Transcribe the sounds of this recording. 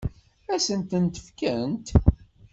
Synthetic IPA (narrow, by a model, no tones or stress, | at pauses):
æsənt̪ənt̪ə̥fkənt̪